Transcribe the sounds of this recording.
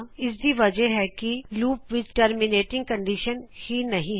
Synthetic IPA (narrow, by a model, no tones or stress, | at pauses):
ɪs̬d̪iʋɐd͡ʒəɦɛkiluːpʋɪd̪ʈəɾmɪneːʈɪ̃ŋɡ̚kɐ̃ɳɖiʃənhinɐɦĩɦ